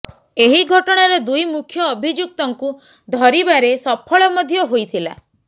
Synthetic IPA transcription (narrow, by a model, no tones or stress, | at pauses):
eɦiɡʱɔʈɔɽ̃aɾed̪ujmukʰjɔːbʱid͡ʒuk̚t̪ɔŋku | d̪ʱɔɾibaɾesɔpʰɔɭɔmɔd̪ʱjɔɦojt̪ʰila̰